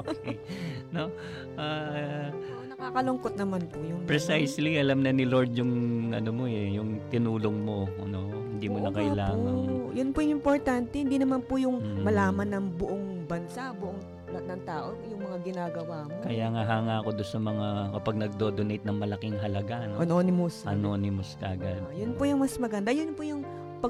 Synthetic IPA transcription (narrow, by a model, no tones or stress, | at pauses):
okejno̞ | ʔaː | nɐkaːkɐloŋkot̪̚nɐmanpʊjʊŋpɹɛsajsliʔɐlɐmnɐnɪloɹd̪jʊŋʔɐ̰nomo̞ɛjʊŋt̪ɪnuːlo̞ŋmo̞ɐno̞ | hɪnd̪iːmonɐkɐʔɪlaːŋɐnjʊnpʊjʊŋɪmpoɹt̪ant̪ɛhɪnd̪iːnɐmanpʊjʊŋmːmɐlaːmɐnːɐŋbʊʔoŋbɐnsabʊʔoŋ | ɐnɐŋt̪aːʔojʊŋmɐŋaɡɪnaːɡɐwaːmokɐjaːŋaɦaŋaːko̞d̪onsɐmɐŋakɐpɐɡ̚nɐɡ̚d̪oːd̪onejt̪̚nɐŋmɐlɐkɪŋɦɐlɐɡaʔɐnoʔɐnonɪmʊsɐnonɪmʊsk̪a̰ʔɐɡad̪̚jʊnpojʊŋmɐsmɐɡɐnd̪ajʊnpʊjʊŋ | pɐ